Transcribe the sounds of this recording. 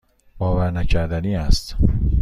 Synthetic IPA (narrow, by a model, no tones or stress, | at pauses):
bɒːvæɾnæcʰæɾd̪æniːæst̪